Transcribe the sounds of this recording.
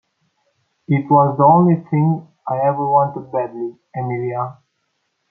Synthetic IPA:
ɪt̚ʰwɔzðiõʊ̃nliθɪ̃ŋ | aɪɛvə˞wɑ̃ntəd̚bædli | ɛmilia

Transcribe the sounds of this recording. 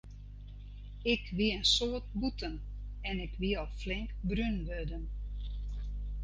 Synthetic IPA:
ɪkʋiəənsoət̚butən | ɛnɪkʰʋiɔlˠflɪŋkbrynʋødən

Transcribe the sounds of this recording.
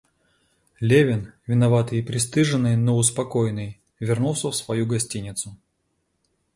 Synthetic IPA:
lʲevʲɪnvʲɪnɐvat̪ɨjɪpɾʲɪst̪ɨʐɨnːɨjnoʊspɐkojnɨj | vʲɪrnulˠsʲəfsvɐjuɡɐsʲtʲinʲɪt̪sʊ

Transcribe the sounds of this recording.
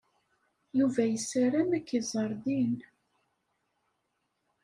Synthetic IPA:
juvæjəsaɾæmækːizˤəɾˤðin

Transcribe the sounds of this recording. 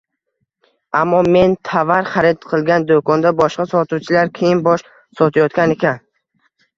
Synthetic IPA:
amːɒme̞nt̪ʰavaɾχaɾɪd̪qʰɨlˠɡʲand̪okɒnd̪abɒʃqasɒt̪uwt͡ʃʰɪlaɾkʲʰejɪnbɒʃ | sɒt̪ʰajɒt̪kʲane̞kʲan

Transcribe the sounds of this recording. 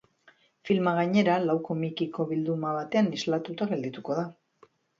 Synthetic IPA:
filmaɣ̞aɲe̞ɾalawko̞mikiko̞βild̪umaβat̪e̞anizlat̪ut̪aɣe̞ld̪it̪uko̞ð̞a

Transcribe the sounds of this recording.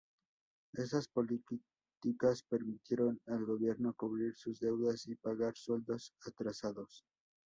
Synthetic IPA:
e̞saspo̞li | t̪ikaspe̞ɾmit̪je̞ɾo̞nalɣo̞βje̞ɾno̞kuβɾiɾsuzd̪e̞wðasipaɣaɾswe̞ld̪o̞sat̪ɾasaðo̞s

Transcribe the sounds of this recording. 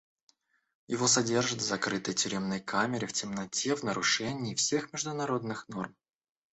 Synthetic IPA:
jɪvo̞sɐdʲe̞rʐɨt̪vzɐkɾɨt̪əjtʲʏɾʲe̞mnəjkʰamʲɪɾʲɪftʲɪmnɐtʲevnəɾʊʂɛnʲɪːfsʲe̞xmʲɪʐd̪ʊnɐɾo̞d̪̚nɨxno̞rm

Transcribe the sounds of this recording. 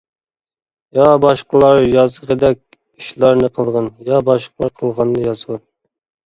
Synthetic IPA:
jɑbɑʃqəlˠɑɾjɑzʁəd̪ɛk̚ʲ | iʃlˠɑɾnɨqʰəlˠʁɑnjɑbɑʃqəlˠɑɾqʰəlˠʁɑnːɨjɑzʁɑn

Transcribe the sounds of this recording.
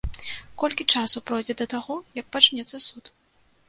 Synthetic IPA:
kɔlʲkʲit͡ʂasupɾɔjd͡zʲɛd̪ɐt̪aɣɔjɐk̚pat͡ʂnʲɛt̪sːɐsut̪

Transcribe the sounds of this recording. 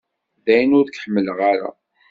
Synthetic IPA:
ðæjənʊɾkħəmːəlʁaɾa̰

